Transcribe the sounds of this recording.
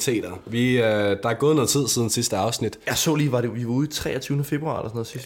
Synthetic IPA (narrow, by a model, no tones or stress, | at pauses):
t͡sʰḛːd̥ɐʋid̥ɑæɐɡ̥ɔːðˠnɒt͡sʰið̞̰ˠsiðˠn̩sisd̥əɑ̈ʊsnid̥jɑ̈ɪsɔ̰ːliːʋɑ̈ɾe̝ʋiʋɑ̈uðˠit͡sʰʁɛ̰ːɐt͡sʰyːʊnəfe̝b̥ʁuɑ̈elɐsɔnɔð̩ˠsisd̥